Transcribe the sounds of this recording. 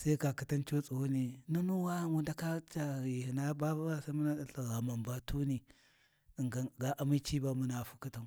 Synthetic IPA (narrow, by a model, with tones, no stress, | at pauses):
sa˦i˦ka˨ki˦ta˦nt͡ʃo˦t͡sʼu˨wo˦ni˨nu˦nu˦wa˦˨wu˦nda˦ka˦t͡ʃa˨i˨hi˨na˦ba˦ba˦a˦sa˦mu˦na˦ɗa˨ɬa˨ɣa˨ma˨mba˨tu˦ni˨ | ŋɡa˨ɡa˨ʔa˨mi˦t͡ʃi˦ba˦mu˦na˨fu̥˦ki˦ta˦n˨